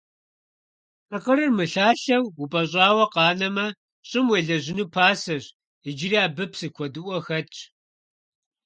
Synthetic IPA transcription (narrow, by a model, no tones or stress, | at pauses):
ɨqəɾɨrmɨɬaːɬɐwupʼɐɕ̬ʼɑːwɐqɑːnɐmɐ | ɕʼɪmweːɮɐʑɪnuːpʰaːsɐɕ | id͡ʒɪriaːbɨpʰsɨkʷʰɔdɨʔʷɔxɐt͡ʃʰʼ